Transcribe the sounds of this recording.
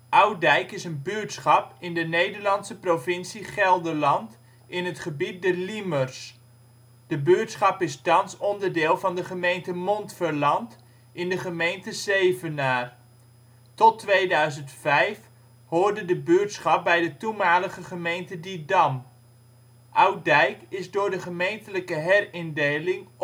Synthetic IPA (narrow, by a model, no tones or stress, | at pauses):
ʔʌwdɛjkɪsənbyːtsχɑpɪndənejdəɹlɑnsəprovɪnsiχɛlˠdəɹlɑnt | ʔɪnɦətχəbit̚dɛliməɹs | d̥əbyːtsχɑpɪstɑnsɔndəɹdɪːlˠvɑndəχəmejntəmɔntfəɹlɑnt | ɪndəχəmejntəzejvənaːr | tɔtʋejdœɥzəntfɛjf | hʊːɹdədəbøːtsχɑp̚bɛjdətumaːləχəχəmejntədidɑm | ʔawdɛjkɪzdʊːɹdəχəmejntələkəɦɛrɪndejlɪŋ